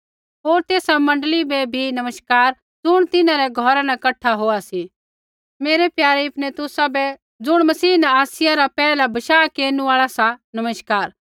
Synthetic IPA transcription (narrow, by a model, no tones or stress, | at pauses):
ɦoːɾt̪eːsamɐ̃ɳɖlibɛbʱinɐməʃkaːɾ | d͡zʊɽ̃t̪ɪnãɾɛɡʱɔɾanɛkɐʈʰːaɦoːasi | meːɾɛpjaːɾiɪpnɛt̪ʊsabɛ | d͡zʊɽ̃mɐsiːnɛ̃aːsɪjaɾapɛːlabɐʃaːkeːnũaːɭasanɐməʃkaːɾ